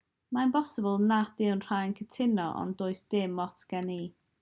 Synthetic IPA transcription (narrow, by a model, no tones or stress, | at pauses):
maɪnbɔsəbəlˠnadɪwnr̥ajnkʰətʰɪnɔʔɔ̰ndʊːɨsd̥ɪmɔtʰɡ̥ɛniː